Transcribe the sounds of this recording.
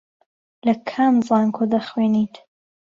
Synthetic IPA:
lɐkʰanzaːŋkʰod̪ɐχweːnit̪

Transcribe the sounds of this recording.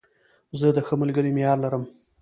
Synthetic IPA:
zəd̪əxəmalɡəɾimejɑɾlaɾəm

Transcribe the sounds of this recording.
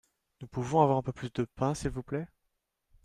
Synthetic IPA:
nupuvɔ̃avwaʁɛ̃pøplysd̪əpɛ̃silvuplɛ

